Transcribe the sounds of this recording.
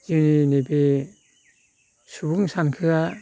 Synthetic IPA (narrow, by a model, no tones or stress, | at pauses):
ininebe | subuŋsankʰɯɡa